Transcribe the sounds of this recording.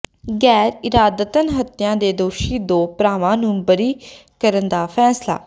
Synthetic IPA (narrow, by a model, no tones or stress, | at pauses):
ɡɛːɾɪɾaːd̪ət̪ənɦət̪ɪjãːd̪eːd̪oːʃiːd̪oːpɾaːʋãːnũːbəɾiːkəɾənd̪aːfʰɛːsla̰ː